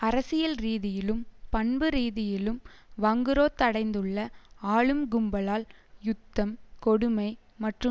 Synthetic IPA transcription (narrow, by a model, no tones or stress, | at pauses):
ɐɾɐsɪjɐlɾiːðɪjɪlɯmpɐɳbɯɾiːðɪjɪlɯmʋɐŋɡɯɾoːt̪ːɐɽɐɪnd̪ɯɭːɐaːɭɯmɡʊmbɐlaːljʊt̪ːɐmkɔɽɯmɐɪ | mɐʈrɯ